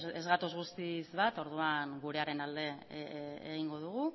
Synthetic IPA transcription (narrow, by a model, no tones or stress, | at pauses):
ezɣat̪o̞zɣust̪izβat̪o̞ɾðuaŋɡuɾe̞aɾe̞nald̪e̞ | ḛɣ̞iŋɡo̞ð̞uɣ̞u